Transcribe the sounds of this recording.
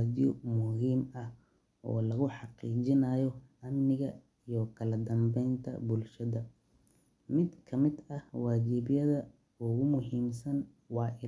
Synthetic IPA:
d̪ɪjɔ̰mʊhiːmɐh | ʔɔ̰ːlɐɣʊħɑqiːt͡ʃɪnɐjɔɐmnɪɣɐ | ijɔkʰɐlɐd̪ɐmbɛjnt̪ʰɐ̰bʊlʃɐðɐ | mɪd̪kʰɐmɪd̪ɐhwɑːt͡ʃibjɐðɐ | ʊɣʊmʊɦiːmsɐn | wɑːʔɪ

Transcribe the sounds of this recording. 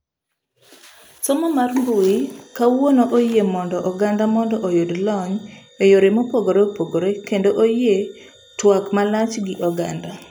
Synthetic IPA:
sɔmɔmarmbuikawonoʔojemɔndɔʔɔɡandamɔndɔʔojodlɔɲ | ejoɾemopoɡoɾeopoɡoɾekendoʔoje | twakmalat͡ʃɡɪʔɔɡanda

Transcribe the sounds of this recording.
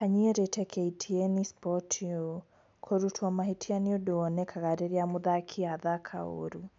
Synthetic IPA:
kaɲiɛɾɛtʰɛkʰɛitʰiɛnispɔtʰiɔ | kʰɔɾutʰwɔmaɦitʰianiodoɔnɛkʰaɣaɾɛɾiamuðakʰiaðakʰa̰o̰ɾu

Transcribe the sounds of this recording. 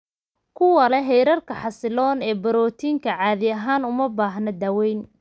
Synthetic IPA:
kʰʊwɐlɛɦɛjɾɐrkʰɐħɑsɪlɔːnɛːbɐɾɔːt̪ʰiːŋkʰɐʕɑːðɪɐɦaːnʊmɐbaːɦnɐd̪aːwɛjn

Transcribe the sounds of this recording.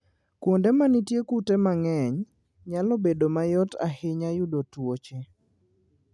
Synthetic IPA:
kwondɛmanitjekutɛmaŋɛɲ | ɲalɔbedomajɔta̰hɪɲajʊdotwot͡ʃe

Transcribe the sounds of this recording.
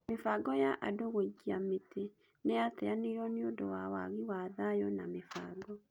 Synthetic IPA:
mefaɡɔjaʔa̰doɣweɡiametʰe | neatɛanejɔniodɔwawa̰ɣiwaðajɔnamefaːɡɔ

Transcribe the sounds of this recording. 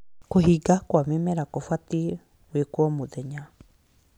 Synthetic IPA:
koɦiɡakwamemɛɾakofwati | wekwɔmoðɛɲa

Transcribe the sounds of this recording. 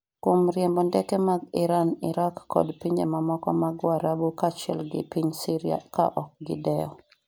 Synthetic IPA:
komɾjɛmbɔndɛkɛmaɡɪɾanɪɾakːɔ̰dpiɲd͡ʒemamɔkɔ̰maɡwaɾabukat͡ʃɛlɡɪ̰piɲsiɾia̰ka̰ʔɔk̚ɡɪdɛɔ̰

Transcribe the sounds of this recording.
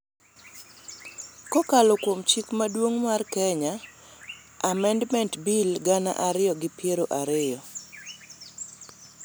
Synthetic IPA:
kɔkalɔkwomt͡ʃikmadwoŋmarkɛɲaː | mɛndmɛntbilɡana̰ʔaɾɪjɔɡɪpɪeɾoʔaɾɪjɔ

